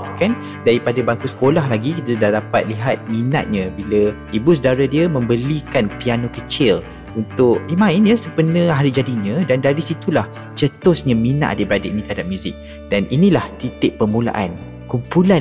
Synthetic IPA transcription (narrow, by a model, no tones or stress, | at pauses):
kan | daɾipadabaŋkusə̥kolaɦlaɡikit̪ədahdapa̰t̪̚liɦat̪̚mĩna̰ʔ̪̚ɲə̃biləibus̬ədaɾadiəmə̃mbəlikanpianokət͡ʃɪl | unt̪ʊʔimãɪnjəsəpənə̃ɦaɾid͡ʒadiɲə̃dandaɾisit̪ulah | t͡ʃət̪ʊsɲãmĩna̰ʔa̰dəbəɾadaʔinĩt̪əɦadap̚mjuzɪk̚ | d̥aninĩlaht̪it̪ɪʔ̚pəmula̰ʔan | kumpula